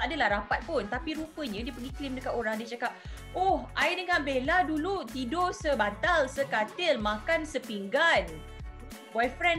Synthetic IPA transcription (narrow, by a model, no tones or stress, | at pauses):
adəlahɾapat̪̚pʊnt̪apiɾupəɲãdiəpəɡiklimdəkat̪oɾaŋdiət͡ʃakap̚ | ohʔajdəŋãnbeladulut̪idosəbant̪alsəkat̪ɪlmãkansəpiŋɡan | bɔjfɾɛn